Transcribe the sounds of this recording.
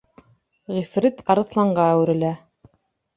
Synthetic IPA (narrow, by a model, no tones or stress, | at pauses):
ʁifɾit̪ʰɑɾɤ̆θlˠɑɴɢɑæwɘ̆ɾɘ̆læ